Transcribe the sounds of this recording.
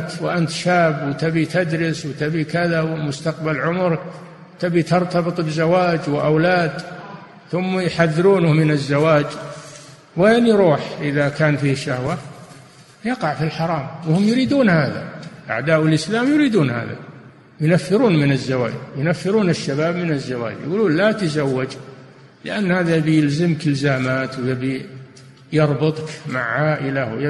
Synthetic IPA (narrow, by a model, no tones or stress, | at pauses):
t̪wʔant̪ʃaːbwɪt̪abit̪ad̪ɾɪswt̪abikaðawɪmʊst̪aqbalʕʊmʊɾk | t̪abit̪ɑɾˤt̪ɑbɨt̪ˤbɪzawaːd͡ʒwɪʔawlaːd̪ | θʊmːajħaðːɪɾuːnmɪnazːawaːd͡ʒ | weːnjɾuːħʔɪðakaːnfiːʃahwa | jɑqɑʕfilħɑɾˤɑːmwɪhʊmjʊɾiːd̪uːnhaːða̰ʔa̰ʕd̪aːʔɪlʔɪslaːmjʊɾiːd̪uːnha̰ːða̰ | jʊnafːɪɾuːnmɪnazːawa̰ːd͡ʒjʊnafːɪɾuːnɪʃːabaːbmɪnazːawa̰ːd͡ʒjɪ̰ɡuːluːnlat̪azawːad͡ʒ | lɪʔanːhaːðabjɪlzɪmkɪlzaːmaːt̪wjb | jɑɾˤbɨt̪ˤkma̰ʕʕaːʔɪlaw